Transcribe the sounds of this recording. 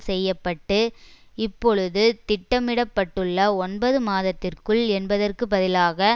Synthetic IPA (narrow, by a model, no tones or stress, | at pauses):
sɛjːɐpːɐʈːɯɪpːɔɻɯðɯt̪ɪʈːɐmɪɽɐpːɐʈːɯɭːɐɔnbɐðɯmaːðɐt̪ːɪrkɯɭɛnbɐðɐrkɯbɐðɪlaːɣɐ